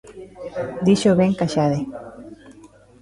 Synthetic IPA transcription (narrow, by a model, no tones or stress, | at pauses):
d̪iʃoβeŋkaʃaðe